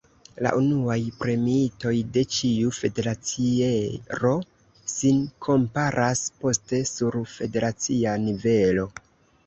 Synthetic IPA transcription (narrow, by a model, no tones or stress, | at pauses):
la̰ʔunuajpɾe̞miito̞jde̞t͡ʃiufe̞de̞ɾat͡sieɾo̞ | sinkʰo̞mpaɾʔaspo̞ste̞suɾfe̞de̞ɾat͡sianive̞lo̞